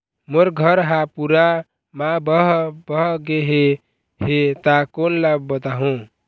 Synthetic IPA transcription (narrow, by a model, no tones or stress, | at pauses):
moɾɡʱʌɾɦapuɾa | mãbəɦbʌɦɡeɦe | het̪akonlab̚bət̪aɦũ